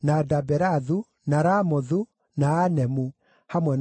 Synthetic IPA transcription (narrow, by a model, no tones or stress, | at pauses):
nadabɛɾaðu | naɾamɔðu | naːnɛmu | hamwɛn